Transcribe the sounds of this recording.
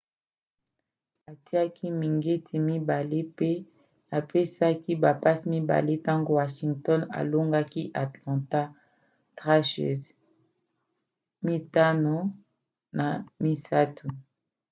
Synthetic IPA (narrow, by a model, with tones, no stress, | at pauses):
a˨ti˦a˦kʰi˦mi˨ŋɡe˦tʰi˨mi˦ba˨le˦pe˦ | a˨pe˦sa˦ki˦ba˨pa˦smi˦ba̰˨le˦ta˦ŋɡo˦wa˨ʃi˨ŋɡtɔ˦na̰˨lo˦ŋɡa˦ki˦ʔa˨tlã˨ta˦ | tʁa˦ʃḛ˨z | mi˦ta˦no˨ | na˨mi˦sa˦tʰu˨